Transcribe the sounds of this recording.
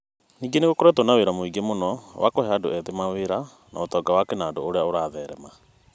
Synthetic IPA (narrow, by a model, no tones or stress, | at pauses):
niːŋɡeneɣokoɾɛtonaweɾamoiɡemonɔwa̰kohɛadoɛðemaweɾa | na̰otɔːɡawakɛnaːdooɾeaoɾaːðɛɾɛma